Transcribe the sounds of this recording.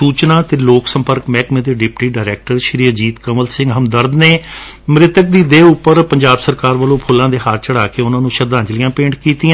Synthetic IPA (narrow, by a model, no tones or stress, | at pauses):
suːt͡ʃnaːt̪eːloːksəmpəɾkmɛːkmẽːt̪eːɖɪpʈiːɖaːɪɾɛːk̚ʈəɾʃɪɾiːəd͡ʒiːt̪kəməlsɪ̃ŋɡɦəmd̪əɾd̪neː | mɾɪt̪ək̚d̪iːd̪eːʊpːəɾpəɲd͡ʒaːbsəɾkaːɾʋəlõːpʰʊlːãːd̪eːɦaːɾt͡ʃəɽaːkeːʊnãːnũːʃəd̪ãːt͡ʃəlɪjãːpẽːɳʈkiːt̪iã